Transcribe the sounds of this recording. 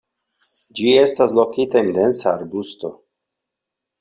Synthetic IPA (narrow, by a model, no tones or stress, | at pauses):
d͡ʒie̞stas̬lo̞kitaind̪e̞nsaːɾbusto̞